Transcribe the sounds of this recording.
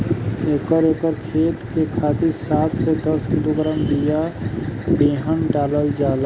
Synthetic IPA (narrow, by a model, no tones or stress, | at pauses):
eːkəɾeːkəɾkʰeːt̪kekʰaːt̪iɾsaːt̪ʰsed̪əskiloɡɾaːmbija | beːɦənɖaːləld͡ʒaːl